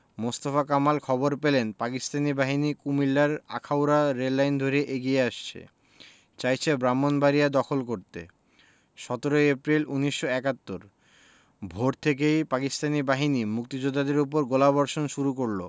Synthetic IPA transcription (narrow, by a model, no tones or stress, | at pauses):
most̪afakamalkʰɔboɾpelenpakist̪anibaɦinikumilːaɾa̰kʰawɾaɾelːajnd̪ʱoɾeʔeɡieaʃt͡ɕʰḛ | t͡ɕajt͡ɕʰebɾamːonbaɾijad̪ɔkʰolkoɾt̪ḛ | ʃɔt̪oɾojepɾiluniʃːoɛkat̪ːoɾ | bʱoʈt̪ʰek̬ejpakist̪anibaɦinimuk̚t̪id͡ʑod̪ːad̪eɾup̬oɾɡolabɔɾʃonʃuɾukoɾlo̰